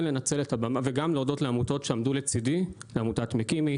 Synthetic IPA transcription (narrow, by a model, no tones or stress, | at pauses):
lenat͡se̞letabamaveɡamleodo̞tleamuto̞tʃeamdulet͡sidileamutatmikimi